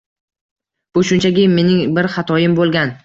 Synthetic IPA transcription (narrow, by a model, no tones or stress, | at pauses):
b̥ʊʃʊnt͡ʃʰaɡʲɪːe̞nɪŋbɪɾχɑt̪ʰɒjɪmbolˠɡʲan